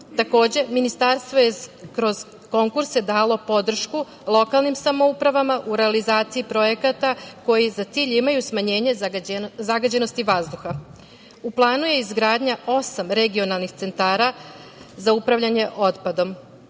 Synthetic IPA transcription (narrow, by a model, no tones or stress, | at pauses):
t̪ako̞ːd͡ʑe̞minist̪aɾst̪ʋo̞jekɾo̞z̥ | ko̞ŋkuɾsje̞d̪aːlo̞po̞d̪r̩ʃku | lˠo̞kalˠnimsamo̞upɾaʋamaʔuɾe̞alizaːt̪siipɾo̞je̞kat̪ako̞jizat̪siːʎimajusmaɲe̞ːɲezaɡad͡ʑe̞no̞st̪iʋazd̪uxa | uplˠaːnuje̞izɡɾaːd̪ɲao̞samɾe̞ɡio̞nalˠnixt̪se̞nt̪aːɾazaupɾavʎaɲe̞ʔo̞t̪pad̪o̞m